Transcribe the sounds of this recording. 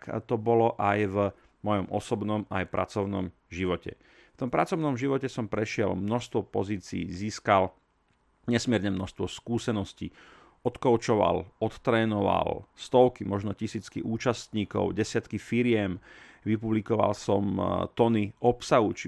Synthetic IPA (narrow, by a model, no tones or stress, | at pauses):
kt̪ɔbɔlɔʔajv | mɔjɔmʔɔsɔbnɔmajpɾʔa̰t͡sɔʊnɔ̰mʒiʋɔcɛ̰ | ft̪ɔmpɾat͡sɔʊnɔmʒiʋɔcɛsɔmpɾɛʃɪɛlmnɔʃst̪ʋɔpɔ̰ziːt͡siːziːskal | ɲɛsmɪɛɾɲɛmnɔʃst̪ʋɔskuːsɛnɔscḭ | ɔt̪kɔʊt͡ʃɔʋa̰lɔt̪ːɾɛːnɔʋa̰lst̪ɔʊkimɔʒnɔcisiːt͡skḭʔuːt͡ʃast̪ɲiːkɔ̰ʊɟɛsɪat̪kifiɾɪɛmʋipublikɔʋa̰lsɔmt̪ɔniʔɔpsaɦut͡ʃi